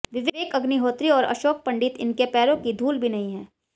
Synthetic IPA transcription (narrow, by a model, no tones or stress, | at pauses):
ʋɪʋeeːkɐɡniɦoːt̪ɾiɔːɾɐ̰ʃoːk̚pɐ̃ɳɖɪt̪ɪ̰nkepɛːɾõkid̪ʱuːlbʱinɐɦĩɦɛː